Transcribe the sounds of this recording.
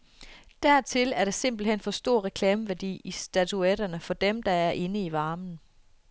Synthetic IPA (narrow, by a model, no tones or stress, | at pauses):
d̥æɐ̰t͡sʰe̝læɐɾese̝m̰b̥l̩hen̰fɒ̽sd̥o̝ɐ̰ʁɛkʰlɛːməʋæɐd̥ḭːisd̥æt͡sʰuɛɾ̥ɐnəfɒ̽d̥emd̥ɑ̈æɐʔe̝nəiʋɑ̈ːmn̩